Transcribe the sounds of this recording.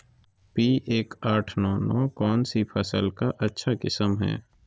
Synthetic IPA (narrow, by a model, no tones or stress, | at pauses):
piːʔeːkaːʈʰnɔːnɔːkɔːnsipʰɐsəlkaʔɐtːʃʰakɪsəmɦɛ̰ː